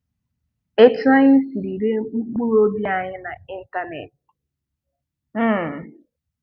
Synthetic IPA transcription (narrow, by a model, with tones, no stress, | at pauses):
e˦tu˦a˦ɲɪ˦si˨ɾi˨ɾe˦ŋ͡m̩˦k͡pu˦ɾo˦bi˦a˨ɲɪ˦na˨i˦n˦ta˦nḛ˨t̚ | m̩˦˨